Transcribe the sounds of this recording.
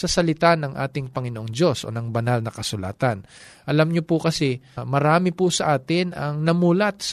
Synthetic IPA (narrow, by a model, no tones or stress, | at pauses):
sɐsɐlɪt̪anɐŋʔa̰ːt̪ɪŋpɐŋɪnoʔoŋd͡ʒo̞sʔo̞̰nɐŋbɐnalnɐkɐsʊla̰ːt̪ɐn | ʔɐlamɲopʊkɐsɛmɐɾaːmɪpʊsɐʔaːt̪ɪnɐŋnɐmuːlɐt̪̚s